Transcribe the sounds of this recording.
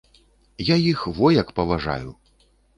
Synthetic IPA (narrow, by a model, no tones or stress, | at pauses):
jajixvɔjɐkpɐvaʐa̰ju